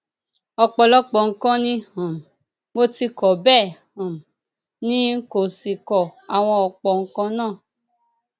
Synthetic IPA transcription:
ɔ˧k͡pɔ˧lɔ˦k͡pɔ˨ŋ̩˦kã˦nĩ˦hɔ̃˨m˨ | mo˦ti˧kɔ˨bɛː˦˨hã˨m˨ | nĩ˦ko˨si˨kɔ˨a˨w̃ɔ̃˧ɔ˧k͡pɔ˨ŋ̩˦kɔ̃˦nãː˦˨

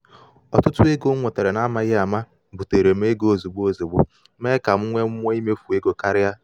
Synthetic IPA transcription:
ɔ˨tʊ˦tʊ˦e˦ɡo˦ŋʷo˨te˨ɾe˨na˦ma˦ɣɪ˦a˨ma˦ | bu˨te˨ɾe˨m˦e˦ɡo˨zu˨ɡ͡bo˦zu˨ɡ͡bʊ˦ | me˦ka˨m̩˦ŋʷe˦m˦o˦i˦me˦fu˨e˦ɡo˨ka˦ɾɪ˦ja˦

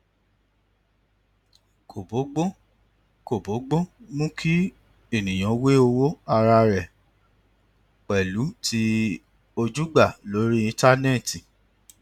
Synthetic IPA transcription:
kʰo˨bo˨˦ɡ͡bo˦ | ko˨bo˨˦ɡ͡bo˦mũ˦kʰi˦ | e˦˨nĩ˨j̃ã˨˦we˦o˧wo˦a˧ɾa˧ɾɛ˨ | k͡pɛ˨lu˨˦tʰi˦ | o˧d͡ʒu˦ɡ͡ba˦˨lo˨˦ɾi˦ĩ˧ta˦nɛ˦˨ti˨

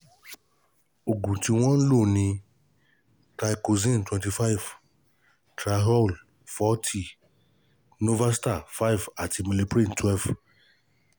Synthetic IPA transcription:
o˨ɡũ˨ti˧w̃ɔ̃˦n̩˦lo˦˨nĩ˧ | ta˨ko˨zĩ˦ntwɛ̃˨ti˧fa˦v | tɾa˨ɦɔ˦l | fɔ˦tʰi˦ | no˦va˦sta˦˨fa˦i˨va˨ti˧mi˨le˧pɾĩ˦ntwɛ˦lv

